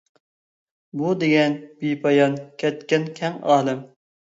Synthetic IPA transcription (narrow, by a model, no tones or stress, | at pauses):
bud̪eɡʲɛnb̥ipʰɑjɑnkʲʰɛt̪̚kʲɛnkʲʰɛŋɑːlˠɨm